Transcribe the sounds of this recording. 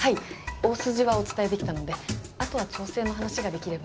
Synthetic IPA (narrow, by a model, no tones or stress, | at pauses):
haio̞ːsɨʑiβao̞t͡sɨ̥t̪aed̪e̞kʲi̥t̪ano̞d̪e̞ | at̪o̞β̞at͡ɕo̞ːse̞ːno̞ɦanaɕiɡad̪e̞kʲiɾe̞ba